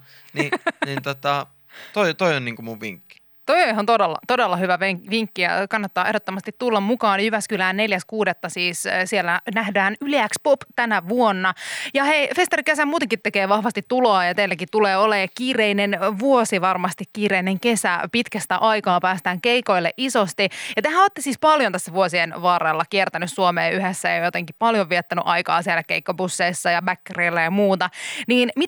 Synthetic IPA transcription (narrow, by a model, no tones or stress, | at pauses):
ninint̪ot̪ɑ | t̪oit̪oionniːŋkumuʋʋḭŋkːi̥ | t̪oiohont̪odelːɑ̰t̪odelːɑhyʋæʋeʋiŋkːijɑ̰kɑnːɑt̪ːɑːe̞ɦdot̪ːomɑst̪it̪t̪ːulːɑmmukɑːnjyʋæskylæːnneljæskuːdet̪ːɑsiːssielːænæhdæːnyliækspopt̪ænæʋuonːɑjɑheifest̪ɑrikesæmuːt̪eŋkit̪ːekeːʋɑhʋɑst̪it̪ːuloɑːjɑt̪eilːækit̪t̪uleːolekiːreinenʋuosiʋɑrmɑst̪ikkiːɾeineŋkesæ̰pit̪kæst̪æ̰ʔɑikɑːpæːst̪æːŋkeiko̞ilːḛʔisost̪ijɑt̪ehæoːt̪ːesiːspɑljont̪æsːæʋuosienʋɑːrɑlːɑkiert̪ænyssuomeːʔyhesːæḛjojot̪eŋkipɑljoʋiet̪ːæny̰ʔɑikɑ̰ːsielːækeikːobusːeisːɑjɑbækːereilːæjɑmuːt̪ɑniːnmi